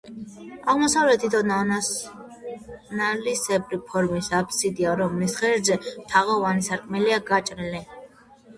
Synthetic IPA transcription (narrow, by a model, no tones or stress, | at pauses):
aʁmɔsavlɛt̪ʰid̪ɔn | nalisɛpʼɾipʰɔɾmisapʰsid̪iaɾɔmlisχɛɾd̪zɛt̪ʰaʁavanisaɾkʼmɛliaɡat͡ʃʼɾili